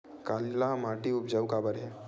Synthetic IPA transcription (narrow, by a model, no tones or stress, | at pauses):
kalilamaʈiʊpd͡ʒawkabəɾɦɛ